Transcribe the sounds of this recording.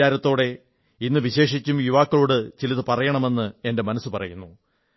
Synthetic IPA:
aːɾɐt̪ːo̞ːɽe̞ | inːɨʋiɕe̞ːʂit͡ɕʲːumjuʋaːkːɐɭoːɽɨt͡ɕilɐðɨpɐrɐjɐɳɐme̞nːɨe̞nde̞mɐnɐsːupɐrɐ̰junːu

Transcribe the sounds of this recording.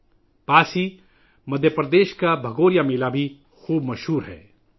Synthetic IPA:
paːsi | mɐd̪ʱjəpɾɐd̪eːʃkabʱɐɡoːɾijameːlabʱi | xuːbmɐʃɦuːɾɦɛ̰ː

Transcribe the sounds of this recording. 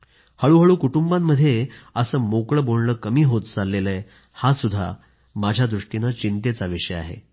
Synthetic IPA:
həɭuːɦəɭuːkuʈumbamːəd̪ʱːjeəsəːmokɭəboɽnəkəmiːɦot̪t͡salːelə | hasud̪ʱːa̰ | mad͡ʑʱjad̪ɾuʂʈinat͡ɕint̪et͡saʋiʂəja̰ɦḛ

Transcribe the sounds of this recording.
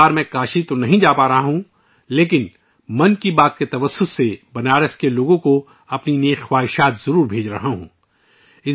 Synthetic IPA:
aːɾmɛ̃kaːʃit̪onɐɦĩd͡ʒaːpaːɾɐɦaɦũ | leːk̬ɪn | mɐnkibaːt̪̚ket̪ɐʋəsːʊsːebɐnaːɾəskeloːɡõko | ɐpnineːxxwaːɦɪʃaːt̪zɐɾuːɾbʱeːd͡ʒɾɐɦaɦṵ̃ː | ɪ

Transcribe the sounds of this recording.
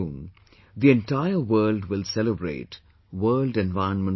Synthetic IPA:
ũn | d̪iɛ̃nʈaɪəʋəːlɖʋɪlsɛləbɾḛːʈ | wəːlɖɛ̃nʋaɪə̃nmə̃n

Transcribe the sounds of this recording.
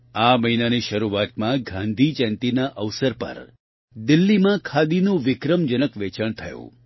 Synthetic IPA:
aməinaniʃəɾuat̪mãɡʱãnd̪ʱit͡ʃɛ̃nt̪inaʔəʋsəɾpə̰ɾ | d̪ɪlːimãkʰad̪inũʋɪkɾəmd͡ʒənəkʋet͡ʃəɳ̃t̪ʰəjṵ̃

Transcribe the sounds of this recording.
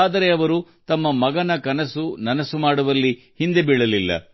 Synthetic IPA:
aːd̪ɐɾe̞ɐʋɐɾut̪ɐmːɐmɐɡɐnɐkɐnɐsunɐnɐsumaːɽuʋɐlːi | hind̪ebiɭɐlilːɐ̰

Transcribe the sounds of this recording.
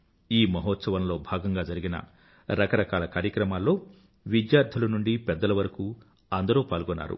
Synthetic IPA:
iːmɐɦɔːt̪sɐʋɐnlo̞ːbʱaːɡɐŋɡaːd͡ʒɐɾiɡinɐ̰ | ɾɐkɐɾɐkaːlɐkaːɾjɐkɾɐmaːlːo̞ː | ʋid̪jaːɾd̪ʰʱɐlɐnuɳɖipɛd̪ːɐlɐʋɐɾɐku | ɐnd̪ɐɾuːpaːlɡɔnːa̰ːɾṵ

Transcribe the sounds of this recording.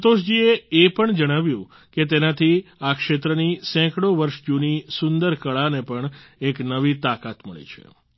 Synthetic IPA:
ət̪oʃd͡ʒieepəɳd͡ʒəɽ̃aʋjũ | ket̪̬enat̪ʰiakʃet̪ɾənisɛ̃kɽoʋəɾʃd͡ʒunisʊnd̪əɾkəɭanepəɳeknəʋit̪akat̪məɭḛt͡ʃʰḛ

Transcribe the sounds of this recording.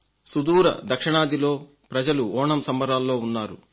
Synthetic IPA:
sud̪uːɾɐ̰d̪ɐkʂɐɳaːd̪ilo̞ː | pɾɐd͡ʒɐluɔːɳɐmsɐmbɐɾaːlːo̞ːunːaːɾṵ

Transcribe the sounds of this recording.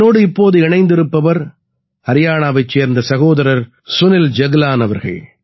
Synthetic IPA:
oːɽɯɪpːoːðɯɪɳɐɪnd̪ɪɾɯpːɐʋɐɾ | hɐɾɪjaːɳaːʋɐɪt͡ʃːeːɾnd̪ɐsɐɣoːðɐɾɐɾ | sʊnɪld͡ʒɐɣlaːnɐʋɐɾɣɐ̰ɭ

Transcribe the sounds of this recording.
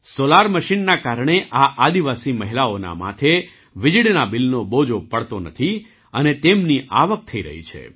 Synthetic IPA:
solaɾməʃinːakaɾɳ̃eʔaʔad̪iʋasiməɦilaona̰ma̰t̪ʰe | ʋɪd͡ʒɽnabɪlnobod͡ʒopəɭt̪onət̪ʰi | ənet̪emniʔaʋək̚t̪ʰəiɾə̰ɦḭt͡ʃʰḛ

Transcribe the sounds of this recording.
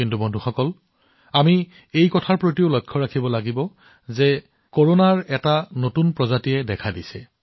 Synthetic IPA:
kintubonduxɔkɔl | ami | ejkɔtʰaɹpɹotioʊlɔjkʰːɔɹakʰibɔlaɡibɔ | zɛ | koɹonaɹɛtanotunpɹɔzatijɛdɛkʰadisɛ

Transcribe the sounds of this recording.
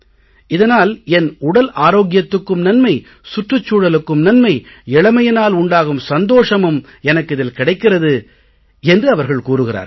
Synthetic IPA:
ɪðɐnaːlɛnʊɽɐlʔaːɾoːɣɪjɐt̪ːɯkːɯmnɐnmɐɪ | sʊʈrɯt͡ʃːuːɽɐlɯkːɯmnɐnmɐɪ | ɛɭɐmɐjɐnaːlʊɳɖaːɣɯmsɐnd̪oːʂɐmɯm | ɛnɐkːɪðɪlkɪɽɐɪkːɪrɐðɯ | ɛndrɯɐʋɐɾɣɐɭkuːɾɯɣɪra̰ːɾ

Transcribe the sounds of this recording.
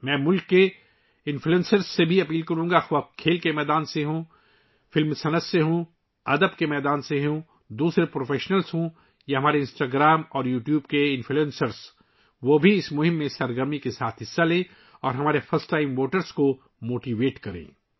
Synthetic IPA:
mɛ̃ːmʊlkːe | ɪ̃nfluɛẽːnsəɾsːebʱiɐpiːlkɐɾũːŋɡaxʋakʰːeːlkemɛːd̪aːnseɦũ | fɪlmsɐnəsːjeɦũ | ɐd̪əbkemɛːd̪aːnseɦũ | d̪uːsɾepɾoːfeːʃnəlsɦũ | jaɦɐmaːɾeɪ̃nsʈaːɡɾaːmɔːɾjuːʈjuːbkeɪ̃nfʰluẽːnsəɾs | ʋobʱiɪsmʊɦɪ̃mːẽsɐɾɡəɾmikesaːt̪ʰɦɪsːalẽː | ɔːɾɦɐmaːɾefʰɐɾsʈaːɪmʋoːʈəɾsko | moːʈiːʋeːʈkɐɾḛ̃ː

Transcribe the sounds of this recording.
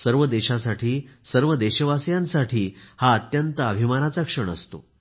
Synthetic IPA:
səɾʋəd̪eɕasaʈʰiːsəɾʋəd̪eɕəʋasjãnsaʈʰiːhaət̪jənt̪əəbʱimanat͡sakʂəɳ̃ə̰st̪o̰

